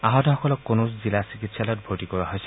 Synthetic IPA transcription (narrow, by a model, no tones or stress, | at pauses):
aɦɔtɔɦɔkɔlɔkːonoszilasikitʰsalɔjt̚bʱotikɔɹaɦojsɛ̥